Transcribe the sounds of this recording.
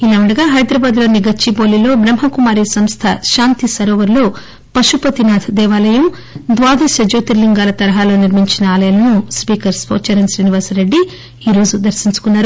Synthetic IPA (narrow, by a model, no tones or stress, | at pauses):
ilɐʋɐɳɖɐɡaːɦɐjd̪ɾɐbaːd̪lo̞ːnːiɡɐt͡ʃːiboːlilo̞ːbɾɐmɦɐkumaːɾisɐmst̪ʰɐʃaːnt̪isɐɾoːʋɐɾloː | pɐʃupɐt̪inaːd̪ʰɐd̪ɛːʋaːlɐjɐm | d̪ʋaːd̪ʱɐʃɐd͡ʒoːt̪iɾliŋɡaːlɐt̪ɐɾɐɦaːlo̞ːniɾmiɲt͡ʃinɐaːlɐjaːlɐnuspiːkɐɾspoːt͡ʃɐɾɐnsɾiːniʋaːɾsɾeɖːi | iːɾo̞ːd͡ʒud̪ɐɾʃiɲt͡ʃu̥kunːaːɾu